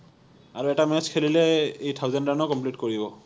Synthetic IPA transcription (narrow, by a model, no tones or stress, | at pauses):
aɹuɛtamɛskʰelilɛejtʰawzɛnanɔkɔmplitkoɹibɔ